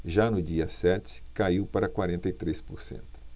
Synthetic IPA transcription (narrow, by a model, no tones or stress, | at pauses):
ʒanʊd͡ʒiɐsɛt͡ʃɪ̥kaiwpaɾɐkwaɾẽnt̪ɐjt̪ɾespoɾsḛ̃nt̪ʊ̥